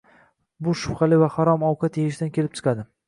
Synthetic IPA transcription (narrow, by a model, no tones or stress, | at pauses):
bʊʃʊfχɑlɪvahaɾɒmɒwqʰat̪jajɪʃ̬d̪ankʲʰe̞lɪp̚t͡ʃʰɨ̥qʰad̪ɪ